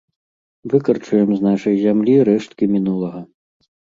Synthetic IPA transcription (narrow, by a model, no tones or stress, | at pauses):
vɨkɐrt͡ʂujɛmznaʂɐjzʲamlʲiɾɛʂt̪kʲimʲinulˠɐɣɐ